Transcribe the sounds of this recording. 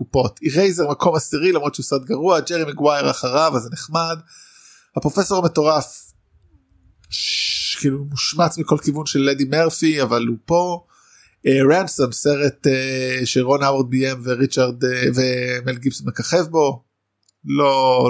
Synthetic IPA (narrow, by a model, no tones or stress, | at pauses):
kupo̞t̪iʁejzeʁmakʰo̞masiʁilamʁot͡ʃʃeusad̪ɡaʁuad͡ʒeʁimiɡwajeʁa̰χaʁavazeneχmad | hapʁo̞fe̞so̞ʁmeto̞ʁaf | ʃkiːlumuʃmat͡smiko̞lkivunʃelːedimeʁfiavalupo̞ | eʁamsomse̞ʁeteʃeʁonaweʁd̪̚biemveʁit͡ʃaʁd̪vemelɡibsonmekaχevbo̞ | lo